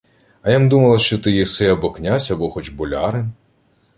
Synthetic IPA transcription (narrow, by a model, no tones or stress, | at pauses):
ɐjamd̪umɐlˠɐʃt͡ʃɔt̪ɪjisɛɐbɔknʲasʲɐbɔxɔt͡ʃbʊlʲaɾɪn